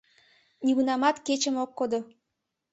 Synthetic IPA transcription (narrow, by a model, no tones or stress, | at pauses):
niβunɑmɑt̪ket͡ɕəmokːod̪o